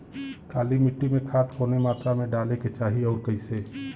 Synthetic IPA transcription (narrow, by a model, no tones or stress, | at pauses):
kaːlimɪʈːimẽkʰaːt̪koːnemaːt̪ɾamẽɖaːleket͡ʃaːɦiɔːɾkɐiseː